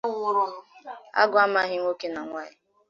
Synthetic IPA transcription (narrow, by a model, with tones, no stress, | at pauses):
wʊ˦ɾʊ˦ɦʊ˦a̰˦ɡʊ˨˦a˦ma˦ɦɪ˦ŋ˦o˦ke˦na˨ŋʷa˦ɪ˦